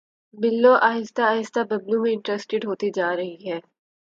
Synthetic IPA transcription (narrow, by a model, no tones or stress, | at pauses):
bɪlːoʔaːɦɪst̪aːɦɪst̪abɐblumẽɪ̃ɳʈɾeːsʈɪɖɦoːt̪id͡ʒaːɾɐɦiɦɛː